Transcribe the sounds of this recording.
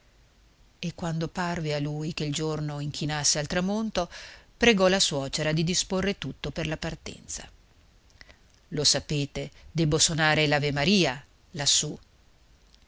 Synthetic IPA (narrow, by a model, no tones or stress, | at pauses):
ekːwand̪oparvealujkeild͡ʒornoiŋkʰinasːealt̪ɾamont̪opɾeɡɔlaswɔːt͡ʃeɾad̪id̪isporːet̪ut̪ːoperlapart̪ɛ̰nt̪sa̰ | losapeːt̪ed̪ɛbːosonaːɾelavemaɾiːa | lasːu